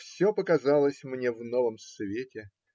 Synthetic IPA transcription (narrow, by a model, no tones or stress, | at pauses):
fsʲopəkɐzɑlˠəsʲmnʲe̞vnovəmsvʲetʲɪ